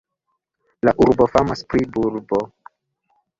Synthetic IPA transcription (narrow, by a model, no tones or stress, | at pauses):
laʔuɾbo̞famaspɾibuɾbo